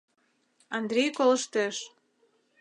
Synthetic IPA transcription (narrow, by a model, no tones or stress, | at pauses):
ɑnd̪ɾʲejkolə̆ʃt̪eʃ